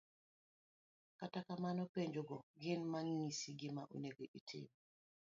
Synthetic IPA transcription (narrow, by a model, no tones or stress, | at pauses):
katakamanɔpeɲd͡ʒoɡɔɡɪnmaŋːisiɡɪmaʔṵneɡoʔitʰɪ̰m